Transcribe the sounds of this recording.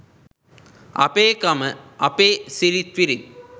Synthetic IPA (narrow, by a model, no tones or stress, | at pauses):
ɐ̰peːkɐmɐʔɐpeːsiɾit̪ʋiɾi